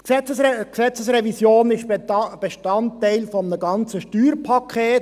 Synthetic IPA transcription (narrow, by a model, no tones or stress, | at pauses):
sɛt͡səsksɛt͡səsrɛvisjoːnɪʃb̥eʃtɑnttɛɪlfɔmənəɡɑnt͡səʃtyːɾpʰɑkʰeːt